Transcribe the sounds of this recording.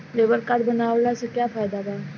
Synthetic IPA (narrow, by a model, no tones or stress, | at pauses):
lebəɾkaɾbənaːʋlasəkjaːfaːjd̪ab̪aː